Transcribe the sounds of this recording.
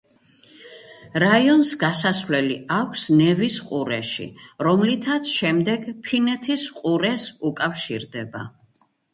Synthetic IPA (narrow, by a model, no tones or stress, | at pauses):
ɾaiɔnsɡasasvlɛliakʷʰsnɛvisqʼuɾɛʃḭɾɔmlit̪ʰat̪sʰʃɛmd̪ɛɡpʰinɛt̪ʰisqʼuɾɛsukʼafʃḭɾd̪ɛba̰